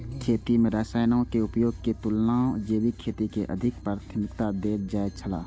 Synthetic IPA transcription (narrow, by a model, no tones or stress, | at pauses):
kʰeːt̪imẽɾaːsaːjnaõkeʊpjoːɡ̚ket̪ʊlnaːod͡ʒeːbikʰːeːt̪ikeʔə̰d̪ʱɪkpɾaːɾt̪ʰəmɪkt̪ad̪eːɾd͡ʒaːet͡ʃʰəla̰ː